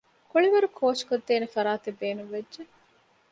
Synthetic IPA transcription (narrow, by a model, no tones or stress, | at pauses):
kuɭiʋɐɾukʰoːʃkod̪ːeːnefɐɾaːt̪ebːeːnuʋedd͡ʒe